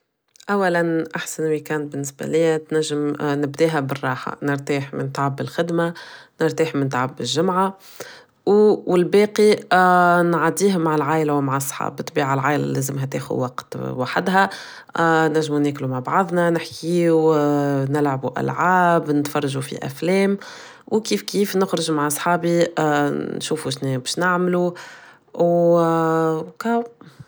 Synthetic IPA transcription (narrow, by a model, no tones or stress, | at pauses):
ʔawːælænʔaħsanwikæːnt̪̚bɪnːɪsbæ̰liːæt̪næʒːɪmnɪbd̪iːɦæbərˤːɑːħa̰nɪɾt̪iːħmɪ̰nt̪ʕabːɪlxɪd̪manɪɾt̪iːħmɪnt̪ʕabːɪʒʒːʊmʕa | wwɪlbeːqi | nʕad̪iːhmaʕalʕaːʔlawmaʕɑsˤːħɑ̰bɨt̪ːˤbiːʕalʕaːjlæ̰lezɪmɦæt̪ḛːxʊ̰dwɑqt̪waħɪd̪ɦæ | næʒːmunɛːklumaʕbɑʕɑðˤnænɪħkʰiːu | nɪlʕabuʔæ̰lʕaːbnɪt̪fɑrˤːɑʒufḭʔæ̰flɛːm | wkiːfkiːfnʊxɾɪʒmaʕsˤħɑːbi | nʃuːfuʃnɛbɛːʃnɪʕmlu | w | kæ